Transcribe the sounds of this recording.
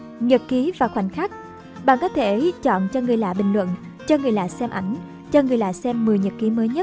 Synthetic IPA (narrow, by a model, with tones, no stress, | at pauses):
ɲə˨˩t̚ki˨˦vaː˨˩xwa̰˨˧˩jŋ̟xaː˦˥k̚ | ɓa̰ː˧˨nkɔ˨˦t̪ʰe˧˩t͡ɕɔ̰˧˨nt͡ɕɔ˧ŋɨ˨˩əjla̰ː˧˨ɓï˨˩ŋ̟lwə̰˧˨n | t͡ɕɔ˧ŋɨ˨˩əjla̰ː˧˨sɛ˧mʔa˧˩jŋ̟ | t͡ɕɔ˧ŋɨ˨˩əjla̰ː˧˨sɛ˧mːɨ˨˩əjɲə˨˩t̚ki˨˦məː˨˦jɲə˦˥t̚